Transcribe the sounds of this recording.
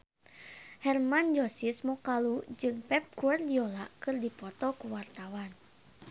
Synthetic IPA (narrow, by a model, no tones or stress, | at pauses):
hɛrmand͡ʒɔsismɔkalud͡ʒɨŋpɛp̚kuardiɔlakɨrdipɔt̪ɔkuwart̪awan